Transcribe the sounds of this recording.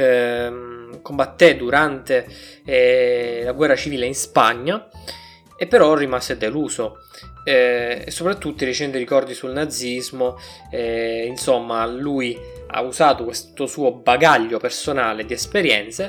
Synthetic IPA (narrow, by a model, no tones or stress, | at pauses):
kombat̪ːed̪uɾant̪e | laɡwɛrːat͡ʃiviːleinspaɲːa | epːeɾɔrːimased̪eluːso | ḛsːopɾat̪ːut̪ːiɾit͡ʃɛnt̪iɾikɔrd̪isulnad̪zːizmo | insomːaluj | a̰uzaːt̪okwest̪osuːobaɡaʎːopersonaːled̪iɛspeɾjɛ̰nt̪se